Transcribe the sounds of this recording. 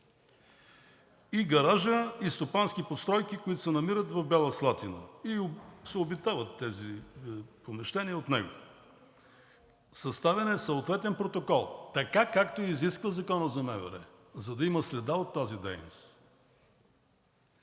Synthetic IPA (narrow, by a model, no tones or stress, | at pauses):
iɡɐɾaʒəist̪opansk̟ipot̪st̪ɾɔjk̟ikoit̪o̥sɛnɐmiɾət̪vɐvbɛlˠəslˠat̪inə̰isɛobit̪avɐt̪ːɛzi | pomɛʃt̪ɛniəot̪nɛɡo̰ | sɐst̪avɛnɛsɐot̪vɛt̪ɛnpɾot̪okɔlˠt̪ɐkakakt̪oiziskvəzɐkɔnəzɐmɛvɛ̰ɾɛ̰ | zɐd̪ɐiməslɛd̪aot̪ːazid̪ɛjno̰s